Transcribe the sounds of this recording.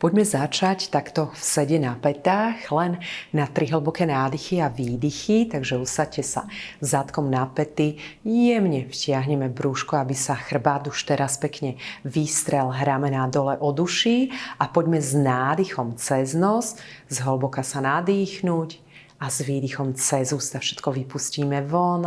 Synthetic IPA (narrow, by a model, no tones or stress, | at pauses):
pɔɟmɛzat͡ʃact̪akt̪ɔfsɛɟɛnapɛt̪axlɛnːat̪ɾiɦl̩bɔkɛːnaːd̪ixiaʋiːd̪ixit̪aɡʒɛusacɛsa̰zat̪kɔmnapɛt̪ijɛmɲɛfcɪaɦɲɛmɛbɾuʃkɔabisaxr̩baːd̪uʃt̪ɛɾaspɛkɲɛʋiːst̪ɾɛlɦɾamɛnad̪ɔlɛʔɔd̪uʃiapɔɟmɛznaːd̪ixɔmt͡sɛznɔszɦɔlbɔkasanad̪iːxnuc | azʋiːd̪ixɔmt͡sɛzuːst̪afʃɛ̥t̪kɔʋipusciːmɛʋɔn